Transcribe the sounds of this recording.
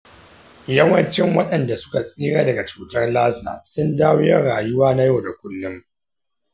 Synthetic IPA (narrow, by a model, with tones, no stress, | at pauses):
jɐ˦wɐ˦nt͡ʃɪ˦ŋwɐ˦ɗɐ˨nda˨sʊ̥˦ka˨sʼiː˦ɽaː˦dɐ˨ɡa˨t͡ʃuː˦tɐ˦rlaː˦sa̰ː˨sʊ˦ndaː˦wjɐ˦rɽaː˨jʊ˦waː˦na˦ja˦˨da˨kʷʊ˦lːʊ˦m